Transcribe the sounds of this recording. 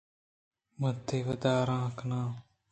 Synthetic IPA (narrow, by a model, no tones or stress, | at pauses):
mət̪ʰːeːʋəd̪aːɾãːknãː